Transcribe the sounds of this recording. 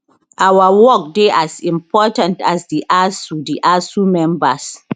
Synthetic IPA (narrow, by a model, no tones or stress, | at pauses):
ʔawawɔk̚deʔasɪ̃mpɔːtantasdiʔasudiʔasumɛmbas